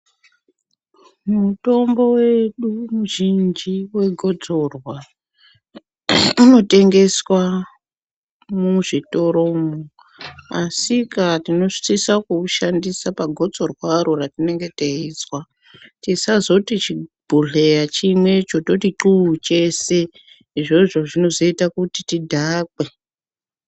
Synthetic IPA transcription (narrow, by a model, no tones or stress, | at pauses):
muto̞mbo̞we̞ɗumuʒind͡ʒiwe̞ɡʱo̞d͡zo̞rwa | uno̞te̞ŋɡe̞swa | muʐito̞ɾo̞mo | asikatino̞ʐi̥sisakuʃandisapaɡʱo̞d͡zo̞rwaɾoratine̞ŋɡe̞teiswa | tisazo̞tit͡ʃibʱuɮe̞jat͡ʃimwe̞t͡ʃo̞to̞tiǃuːt͡ʃe̞se | iʐo̞ʐo̞ʐino̞zo̞itakutitidʱaːkwe